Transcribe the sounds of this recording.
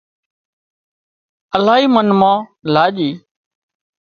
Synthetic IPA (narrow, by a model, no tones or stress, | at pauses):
əlaːɦiːmənmãːlaːʄiː